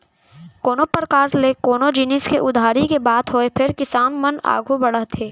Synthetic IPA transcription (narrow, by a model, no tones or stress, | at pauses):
koːnopəɾkaːɾlekoːnod͡ʒiːnɪskeʔʊd̪ʱaːɾikebaːd̪ɦoepʰɪɾkɪsaːnməna̰ːɡʱubɐɽəɦt̪ʰeː